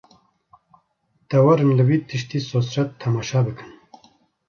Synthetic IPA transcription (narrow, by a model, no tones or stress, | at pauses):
d̪̥ɛwɐɾɨnlɨwiːt̪ʰɨʃt̪iːsoːsɾɛt̪ʰːɐmaːʃaːbɨkɨn